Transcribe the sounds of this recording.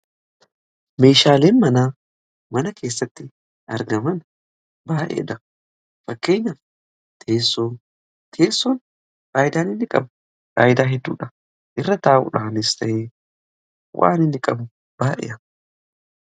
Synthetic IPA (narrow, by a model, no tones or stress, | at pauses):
me̞ːʃaːleːnmɐnaː | mɐnɐkʰe̞ːsːɐt̪ːɪ | ɐɾɡɐmɐn | baːʔḛːᶑɐ | fɐkːe̞ːɲːɐ | t̪ʰeːsːoː | t̪ʰeːsːoːn | faːjɪd̪aːnɪnːɪkʼɐ̰b | fa̰ːjɪd̪aːɦɛd̪ːṵːᶑɐ | ʔɪrːɐt̪aːʔʊ̰ᶑaːnɪst̪ɐʔeː | wʔa̰ːnɪnːɪkʼɐb | b̥aːʔɛ̰ʔɐ